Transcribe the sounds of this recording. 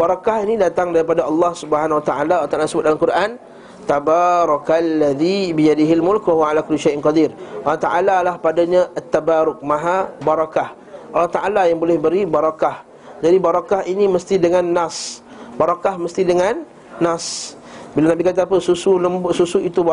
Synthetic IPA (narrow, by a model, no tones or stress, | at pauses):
baɾakaɦinĩdat̪aŋdaɾipadaʔɑlːɑhsubəɦanwat̪aʔalalt̪aʔalasəbʊt̪̚dalamkuɾʔan | t̪abaɾˤɑkalːaðibijadɪɦalmʊlkwaɦuwaalakʊliʃajʔnqɑd̪irʔalɑht̪aʔalalahpadaɲãʔat̪ːabaɾʊk̚mãɦabaɾˤɑkah | ʔalːɑht̪aʔalajaŋbolɪhbəɾibaɾɑkah | d͡ʒadibaɾakahinĩməst̪idəŋãnːas | baɾakahməst̪idəŋanː | as | bilanabikat̪̬aːpəsusuləmbsusuit̪ub